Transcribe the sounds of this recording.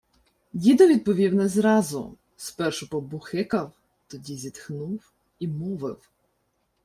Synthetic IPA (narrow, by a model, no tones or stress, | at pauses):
dʲid̪ɔʋʲid̪̚pɔʋʲiwnɛzɾɑzʊ̰ | spɛrʃʊpɔbʊxɪkɐw | t̪ɔdʲizʲit̪xnuw | imɔʋɪ̰w